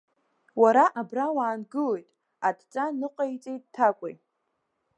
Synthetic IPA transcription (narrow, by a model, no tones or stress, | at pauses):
waɾaʔabrawaːnɡɨlejtʼ | adt͡sʼanɨqʼajt͡sʼejt̚ʼtʰakʷʼḛj